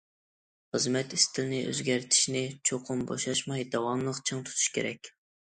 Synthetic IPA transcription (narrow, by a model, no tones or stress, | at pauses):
χəzmɛt̪ist̪ʰɪlnɪʔø̰zɡʲæɾt̪ʰɪ̥ʃnɪt͡ʃʰoqʰʊmbo̰ʃɑʃmɑjd̪ɑwɑmlˠəqt͡ʃʰɨŋt̪ʰu̥t̪ʰu̥ʃkʲʰḛɾɛkʲ